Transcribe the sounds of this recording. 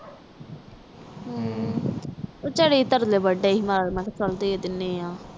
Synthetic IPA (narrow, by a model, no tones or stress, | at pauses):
ɦ | ot͡ʃəɽiːt̪əɾleːbəɖeːɦimaːɾmɛ̃k̪ːsəld̪eːed̪ɪnːeːjãː